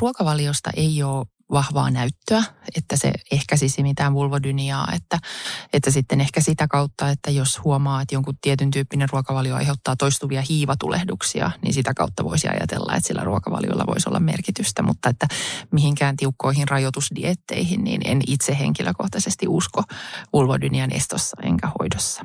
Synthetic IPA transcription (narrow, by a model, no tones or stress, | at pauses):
ruokɑʋɑljost̪ɑ̰ʔeioː | ʋɑhʋɑ̰ːnæyt̪ːøæet̪ːæsḛehkæsisimit̪æːnʋulʋodyniɑ̰ːet̪ːæet̪ːæsit̪ːenehkæsit̪ækɑut̪ːɑet̪ːæjoshuomɑːet̪joŋkut̪ːiɛt̪ynt̪yːpːinerruokɑʋɑljoɑ̰jheut̪ːɑːt̪oist̪uʋiɑhiːʋɑt̪ulḛhduksiɑ̰nḭnsit̪ækɑut̪ːɑʋoisiɑ̰jɑ̰t̪elːɑ̰ḛt̪silːæ̰ruokɑʋɑ̰ljo̰ilːɑ̰ʋo̰isolːɑ̰mmerkit̪yst̪æmut̪ːɑet̪ːæmihiŋkæːnt̪iukːoihinrɑjot̪usdiet̪ːḛihinnḭːnḛnit̪sehḛŋkiløkoht̪ɑsest̪iʔuskoʋulʋodyniɑnʔest̪osːɑḛŋkæho̰idosːɑ̥